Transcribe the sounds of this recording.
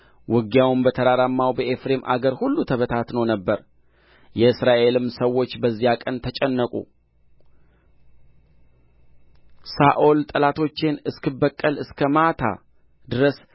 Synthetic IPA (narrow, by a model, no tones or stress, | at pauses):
wɨɡjawɨmbət̪ʰəɾaɾamːawbəʔefɾe̞mʔa̰ɡəɾhulːut̪ʰəβət̪ʰat̪nəwnəbːəɾ | jɛɨsɾaʔe̞lɨmsəwːo̞t͡ʃːbəzːijakʼənt̪ʰət͡ʃʼɛnːəkʼṵ | saʔolt̪ʼəlat̪ʰo̞t͡ʃːe̞nɨskʰɨbəkʼːəlɨskʰəmat̪ʰa̰ | d̪ɨɾəs